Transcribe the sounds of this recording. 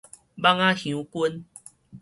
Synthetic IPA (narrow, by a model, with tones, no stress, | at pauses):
ba˦ŋã˦hjũ˨˦ku˦n